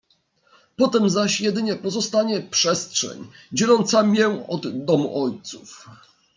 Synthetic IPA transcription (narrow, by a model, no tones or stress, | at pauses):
pɔt̪ɛmzaɕjɛd̪ɘɲɛpɔzɔst̪aɲɛpʂɛstʂɛ̰ɲd͡ʑɛlɔnt̪samʲjɛɔd̪ːɔmṵʔɔjt̪suf